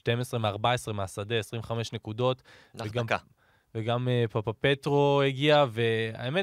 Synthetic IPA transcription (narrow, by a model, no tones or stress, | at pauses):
ʃte̞mesʁemeaʁbaesʁemeasade̞esʁiɱveχame̞ʃne̞kudo̞t | veɡa | veɡamepapape̞tʁo̞eɡiave̞a̰eme